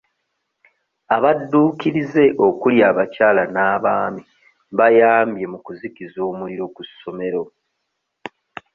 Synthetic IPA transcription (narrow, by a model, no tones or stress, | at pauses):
aβadːuːkiɾize̞ʔo̞kuljaːβacaːlanaːβaːmi | βajaːmbje̞mukuzikizo̞ːmuliɾo̞kusːo̞me̞ɾo̞